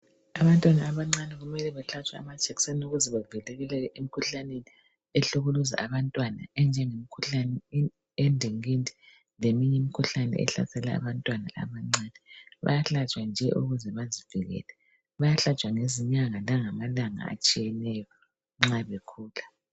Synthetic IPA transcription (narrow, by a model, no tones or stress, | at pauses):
aβantʼwanaːβaŋ͡ǀanɛɣumɛlɛβɛɬat͡ʃʼwa̰mat͡ʃʼʰeɣi̥senuɣuzɛβavilɛɣɛlɛʔemikʰuɬaneni | eɬuɣuluza̰ʔaβantʼwana̰ɛnd͡ʒʱɛŋemikʰuɬanɛ | endʱiŋindʱi̥ | lemiɲɛmikʰuɬanɛ̰ʔɛ̰ɬa̰sɛla̰ːβantʼwana̰a̰βaŋ͡ǀaːnɛβa̰jaɬat͡ʃʼwand͡ʒʱɛʔuɣuzɛβaziv̥iɣɛ̰lɛ | βajaɬat͡ʃʼwaŋeziɲaŋalaŋamalaŋa̰a̰t͡ʃʼijɛnɛjɔ | ŋ͡ǁaβɛkʰuːla